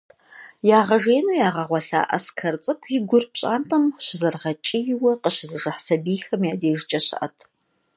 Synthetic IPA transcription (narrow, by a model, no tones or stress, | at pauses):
jaːʁɐʒeːnuːjaːʁɐʁʷɔɬa̰ːʔɐ̰skʰɐrt͡sʼɨkʷʰjɪɡʷʊrpɕʼa̰ːntʰʼɐmɕɪzɐrʁɐt͡ʃʼɪjɪwɐqəɕɪzɨʒɐħsɐbiːxɐmjaːdeːʒɪt͡ʃʼɐɕɐ̰ʔɐ̰tʰ